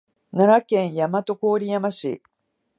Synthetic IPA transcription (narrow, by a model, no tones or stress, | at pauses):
naɾakẽ̞ɰ̃jamat̪o̞ko̞ːɾʲijamaɕḭ